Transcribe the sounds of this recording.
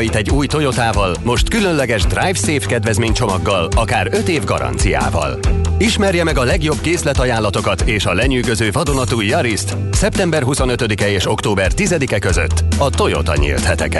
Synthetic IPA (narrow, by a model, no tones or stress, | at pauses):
it̪ɛɟːuːjt̪o̞jo̞t̪aːvɒlmo̞ʃt̪kylønlɛɡɛʒd̪rajvseːfkɛd̪vɛzmeːɲt͡ʃo̞mɒɡːɒlɒkaːɾø̞t̪eːvɡɒ̰ɾɒ̰nt̪sija̰ːvɒ̰liʃmɛrjɛmɛɡɒlɛɡjo̞bkeːslɛt̪ɒjaːlːɒt̪o̞kɒt̪eːʃɒlɛɲyːɡø̞zøːvɒd̪o̞nɒt̪ujjɒɾist̪ | sɛp̚t̪ɛmbɛrɦuso̞nø̞t̪ød̪ikɛeːʃo̞kt̪oːbɛrt̪izɛd̪ikɛkø̞zø̰t̪ːɒt̪o̞jo̞̰t̪ɒ̰ɲḭlt̪hɛt̪ɛ̰kɛ